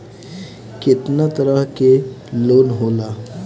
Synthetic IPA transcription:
kɪt̪nat̪əɾəɦke | loːnɦoːlaː

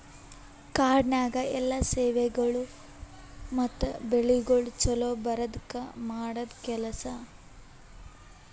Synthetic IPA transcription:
kaːɖnaːɡɐɛlːɐseːʋɛɡɐɭu | mɐt̪ːubeɭiɡoɭt͡ʃɐloːbɐɾɐd̪kːɐmaːɽɐd̪kɛlɐsɐ

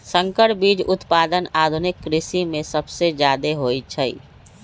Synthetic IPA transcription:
sə̃ŋkəʈbiːd͡ʒʊt̪paːd̪ənaːd̪ʱʊnɪkːɾɪsimẽsəbsed͡ʒjaːd̪eɦoːit͡ʃʰə

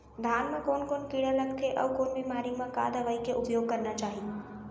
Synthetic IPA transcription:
d̪ʱjanmãkoːnkoːnkiɽələkt̪ʰeʔə̰wkonbimaɾimãka̰d̪əʋaikeʔʊpjoɡ̚kəɾnat͡ʃaːɦi

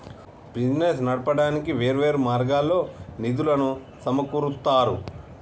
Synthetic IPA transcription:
bid͡ʒnes̬nɐɽɐpɐɽaːnikiʋeːɾʋe̞ːɾumaːɾɡaːlːo̞ːnid̪ulɐnu | sɐmɐkuɾut̪ːaːɾu

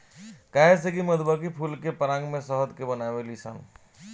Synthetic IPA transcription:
kaːeseɡiməd̪bakipʰulkepəɾãːŋɡmẽsəɦəd̪kebənaʋelisa̰ːn

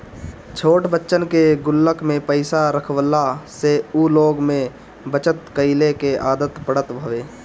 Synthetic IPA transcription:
t͡ʃʰoːʈbətːʃənkeɡʊlːəkmẽpəɪsaɾəkʰwəlaseuloːɡmẽ | bət͡ʃət̪kəɪlekeʔaːd̪ət̪pəɽ̤ət̪bʱəʋeː

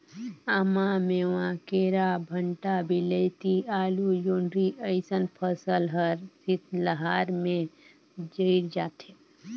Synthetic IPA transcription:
əmameːwãkeːɾabʱəɳʈabʱiləɪt̪iaːlujoːɳɖɾiʔəɪsənpʰəsəlɦəɾsit̪ʰləɦaːɾmẽ | d͡ʒəɪɾd͡ʒaːt̪ʰe

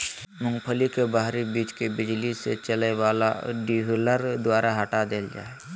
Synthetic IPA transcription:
mʊ̃ŋɡpʰəlikebaɦɾibiːt͡ʃkebɪd͡ʒlisḛt͡ʃəlewaːla̰ɖiɦləɾd̪waːɾaɦɐʈad̪eːld͡ʒa̰ːe

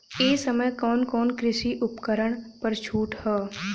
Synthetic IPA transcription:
eːsəməjkɔːnkɔːnkɾɪʃiʔʊpkəɾəɽ̃pɐɾt͡ʃʰuːʈhɛː

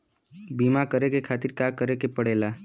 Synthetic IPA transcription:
biːmakəɾekekʰaːt̪iɾkaːkəɾekepəɽeːla

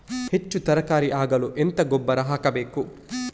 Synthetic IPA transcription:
het͡ʃːut̪ɐɾɐkaːɾiʔaːɡɐluʔent̪ɐɡɔbːɐɾɐɦaːkɐbeːku

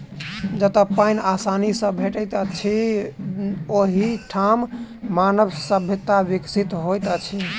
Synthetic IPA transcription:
d͡ʒət̪əpajnasanisə̃bʱeʈət̪ət͡ʃʰi | oɦiʈʰamːanəbsəbʱet̪ːabiksʰit̪ɦojt̪ət͡ʃʰi

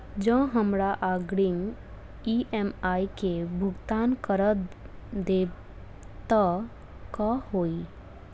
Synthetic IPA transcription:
d͡ʒə̃ɦəmɾaʔaːɡɽɪŋɡ | iʔɛmaːikebʱʊɡt̪aːnkəɾət̪ | d̪eː | t̪a | kahoːi

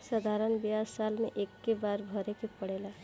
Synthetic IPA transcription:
səd̪ʱaɾənbejasalmeʔekːebaɾbʱəɾekepəɽ̤ela

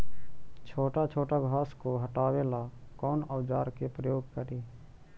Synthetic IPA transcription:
t͡ʃʰoːʈat͡ʃʰoːʈaɡʱʋaːskoɦəʈaːweːlakɔːnəwd͡ʒaːɾkepɾəjoːɡ̚kəɾeː

